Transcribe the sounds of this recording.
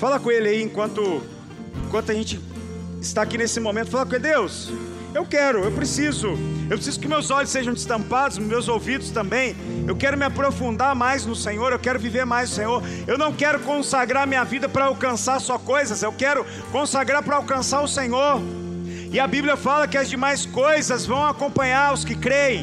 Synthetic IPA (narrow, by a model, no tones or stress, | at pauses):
falɐkõelɪaiẽŋkwɐ̃nt̪ʊ | ẽkwɐ̃nt̪ʊɐʒẽnt͡ʃɪ | ɪst̪aːkinesɪmõmẽt̪ʊ̥falɐkõed̪ews | ewkɛɾʊewpɾesizʊewpɾesizʊkɪʊmewzɔʎʊsːeʒɐ̃w̪̃ɪ̥st̪ɐ̃mpad̪ʊzmewzowvid̪ʊst̪ɐ̃mbẽj̃ | ewkɛɾʊmɪapɾofũnd̪aɾmajznʊsẽɲoɾewkɛɾʊviveɾmajzʊsẽɲoɾ | ewnɐ̃w̃kɛɾʊkõsaɡɾaɾmĩɲɐvid̪ɐpɾɐawkɐ̃saɾsɔkojzɐzewkɛɾʊ | kõsaɡɾaɾpɾɐawkɐ̃saɾʊsẽɲoɾ | ɪɐbiblijɐfalɐkɪɐzd͡ʒɪmajskojzɐzvɐ̃w̃akõmpɐ̃ɲaɾʊskɪkɾeẽ